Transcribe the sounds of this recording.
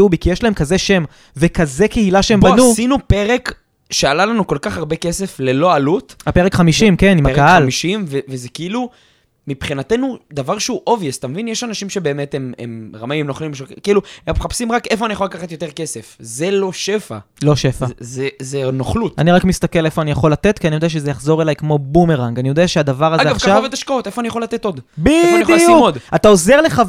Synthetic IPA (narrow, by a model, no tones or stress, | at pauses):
ubikijeʃlaemkaze̞ʃe̞m | vekaze̞keilaʃeembanusinupeʁek | ʃealalanuko̞lkaχaʁbeke̞se̞flelo̞alutapeʁekχamiʃimke̞nimakaɦalmiʃimvevezekiilu | mipχinatenud̪avaʁʃeuʔo̞vjest̪amevinjeʃanaʃimʃe̞be̞ːme̞temḛmʁamaimnoχlimʃekiluemχapsimʁakefoanijaχolakaχat̪jo̞t̪e̞ʁke̞sefzelo̞ʃefa̰lo̞ʃefazezenoχlut̪aniʁakmist̪akelefo̞anijaχo̞lat̪et̪kianijodeaʃ̬ezejaχzo̞ʁelajkmo̞bumeʁaŋɡanijo̞d̪eaʃead̪avaʁazɡeavaχʃkaavvet̪aʃkaotefoanijaχolat̪et̪o̞d̪bioanjolasiumodat̪ao̞ze̞ʁle̞χa